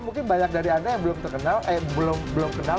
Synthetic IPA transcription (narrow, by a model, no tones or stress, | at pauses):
muŋkɪnbaɲak̚daɾiandajaŋbəlʊmt̪ərkənalʔajbəlʊmbəlʊmkəna